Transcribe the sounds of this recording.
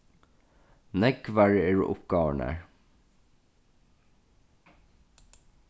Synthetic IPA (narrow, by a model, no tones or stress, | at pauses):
nɛɡʋæɹeːɹ̰ʔʊ̰pɡɑːʋəɳæ̰ːɹ